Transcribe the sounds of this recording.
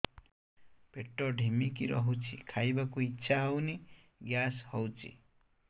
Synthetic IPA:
peʈɔɖʱimikiɾɔ̰ɦut͡ʃʰḭkʰajbakuitːʃʰaɦowni | ɡjashɔwt͡ʃʰḭ

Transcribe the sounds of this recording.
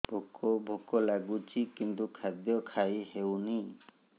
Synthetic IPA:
bʱokʰɔbʱokɔlaɡut͡ʃʰikint̪ukʰad̪jɔkʰajɦewni

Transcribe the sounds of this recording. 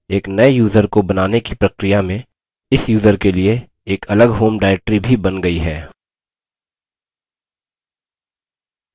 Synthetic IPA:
eːknɐejuːzəɾkobɐnaːnekipɾɐkɾɪjamẽ | ɪsjuːzəɾkelie | eːkʰɐləɡɦoːmɖaːɾɛk̚ʈɾibʱibɐnɡɐiɦɛː

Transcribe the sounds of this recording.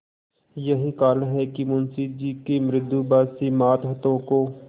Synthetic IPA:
jɐɦikaːlɦɛkimʊnsid͡ʒiːkemɾɪd̪ːubaːsimaːt̪ɦɐt̪õkoː

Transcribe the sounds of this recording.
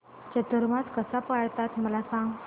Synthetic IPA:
t͡ɕət̪əɾmãt̪kəsapaɽt̪at̪məlasãŋɡ

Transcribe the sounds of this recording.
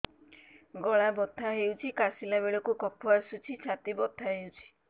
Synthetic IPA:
ɡɔɭabɔt̪ʰːaɦewt͡ʃʰikasilabeɭɔkukɔpʰuaɾsut͡ʃʰit͡ʃʰat̪ibɔt̪ʰːaɦewt͡ʃʰi̥

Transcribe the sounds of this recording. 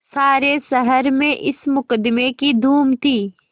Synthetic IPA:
saːɾesəɦəɾmẽʔɪsmʊkəd̪mekid̪ʱuːmt̪ʰiː

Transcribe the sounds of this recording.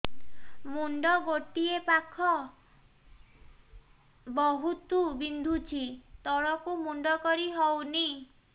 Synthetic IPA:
muɳɖɔɡoʈiepakʰɔ | bɔɦut̪ubind̪ʱut͡ʃʰit̪ɔɽɔkumuɳɖɔkɔɾiɦɔwni

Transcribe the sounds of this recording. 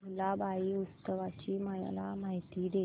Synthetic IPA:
mulabʱaiːust̪əʋat͡ɕiːməj̰lamaɦit̪iːd̪e

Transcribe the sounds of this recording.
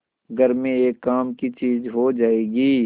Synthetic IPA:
ɡʱəɾmẽeːkːaːmkit͡ʃiːzɦod͡ʒaːeːɡiː

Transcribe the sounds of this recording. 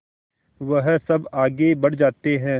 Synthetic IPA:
ʋɐɦsɐbaːɡebɐɽ̤d͡ʒaːt̪eɦɛ̃ː

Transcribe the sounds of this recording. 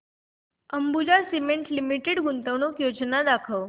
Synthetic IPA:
əmbud͡ʑasimeɳʈlimiʈeɽɡunt̪əʋnokjod͡ʑnad̪akʰəʋ

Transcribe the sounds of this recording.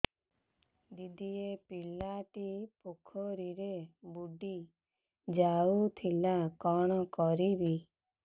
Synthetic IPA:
d̪id̪iepilaʈipukʰɔɾiɾebuɖi | d͡ʒaut̪ʰilakɔɽ̃ɔkɔɾibi

